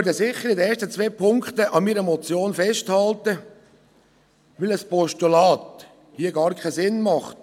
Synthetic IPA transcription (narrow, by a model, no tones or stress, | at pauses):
øɾdəsɪχːəɾɪd̪əɛːstət͡sʋeːpʰʊŋkt̪əʔɑmiːɾəmɔt͡sjoːnfɛʃthɑlt̪ə | ʋɪləspɔʃtulɑːt̪ | hiəɡɑːɾkʰɛsɪnmɑχt